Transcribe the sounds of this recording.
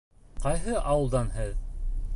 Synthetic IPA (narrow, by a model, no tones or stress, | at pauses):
qɑjɦɤʔɑwɤ̆lˠd̪ɑnɦɘð